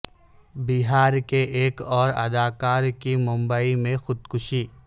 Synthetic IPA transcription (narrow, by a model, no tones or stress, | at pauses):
biɦaːɾkeʔeːkɔːɾɐ̰d̪aːkaːɾkimʊ̃mbəimẽxʊd̪kʊʃiː